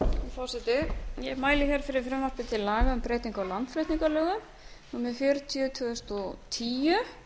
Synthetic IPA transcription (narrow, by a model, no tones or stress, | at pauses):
ifɔsɛt̪ɪjɛmaːjlɪçɛɾ̥fɪɾɪɾ̥fɾɛmːar̥pɪt̪ʰɪlːaːɣaʏmpɾeːjt̪iŋkalant̪fɾejt̪niŋkalœːɣʏ | numɛðfjœːɾʏt̪ʰiʏt̪ʰœðʏst̪ɔt̪ʰiːjʏ